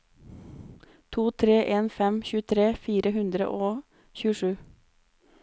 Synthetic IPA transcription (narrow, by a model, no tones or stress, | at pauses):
t̪ʰuːt̪ʰɾeːʔeːnfɛmçʉːt̪ʰɾeːfiːɾəhʉnd̪ɾə̰ʔoː | çʉːəʂʉː